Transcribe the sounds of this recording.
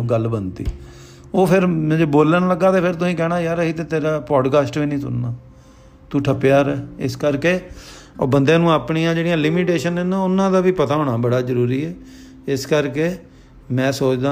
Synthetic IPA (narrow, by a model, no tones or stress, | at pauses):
ɡəlbənt̪ḭː | oːpʰɪɾm̃ːd͡ʒeːboːlənləɡaːt̪eːpʰɪɾt̪ʊsĩːkɛːɽ̃aːjaːɾəɦiːt̪eːt̪eːɾaːpɔːɖkaːsʈʋĩːnĩːsʊ̰nnaː | t̪uːʈʰəpjaːɾɛːɪ̰skəɾkeː | bənd̪ẽːnũːaːpɳijãːd͡ʒeːɽijãːlɪmiːʈeːʃənɪnãːʊnːãːd̪aːʋiːpət̪aːɦoːɳaːbəɽaːzəɾuːɾiːɛː | ɪskəɾkeː | mɛ̃ːsoːt͡ʃd̪ãː